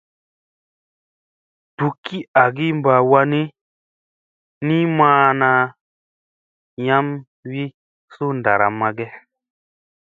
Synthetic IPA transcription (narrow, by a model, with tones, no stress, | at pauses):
tu˨kːi˦a˨ɡi˦m˦ba˨wa˧ni˦ | ni˦mãː˦na˧˦ | ja˦m | wi˦ | su˦nda˨ɾa̰˨mːa˧ɡɛ˦